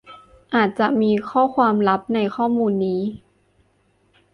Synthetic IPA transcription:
ʔaː˨˩t̪̚t͡ɕa˨˩ʔmiː˧kʰɔː˥˩kʰwaː˧mla˦˥p̚na˧jkʰɔː˥˩muː˧nːiː˦˥

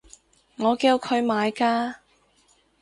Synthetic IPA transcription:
ŋɔː˨˧kiː˧wkʰɵ˨˧ɥmaː˨˧jkaː˧

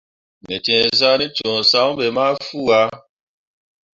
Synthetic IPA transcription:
me˨tẽ˨za˦ni˦t͡ʃõ˨sa˦ũ˦be˨ma˦fu˦˨a˦

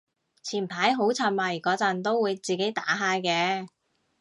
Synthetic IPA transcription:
t͡sʰiː˨˩npʰaː˨˥jɦo˨˥wt͡sʰa˨˧n̚mɐː˨˩jkɔː˨˥t͡sɐ˨nt̪o˥wuː˨˧jt͡siː˨ke˨˥jt̪aː˨˥ɦaː˧jkɛː˧

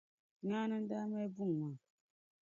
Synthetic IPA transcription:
ɲaː˦nɨ˦n̩˦daː˦mɛ˦bu˦˨ŋ˨ma˨

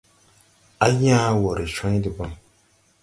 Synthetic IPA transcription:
a˦ɲ˦aː˦wɔ˨ɾɨ˨ʃɔ̃˦ɲ˦dɨ˨ba˦m

